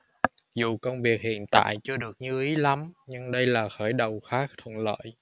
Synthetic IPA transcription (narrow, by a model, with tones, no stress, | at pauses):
zu˨˩kə˧wŋ͡mvi˨˩ək̚hḭ˧˨ənt̪a̰ː˧˨jt͡ɕɨ˧əɗɨ˨˩ək̚ɲɨ˧ʔi˨˦la˨˦mɲɨ˧ŋɗə˧jlaː˨˩xəː˧˩jɗə˨˩wxaː˦˥k̚t̪ʰwə̰˧˨nlə̰ː˧˨j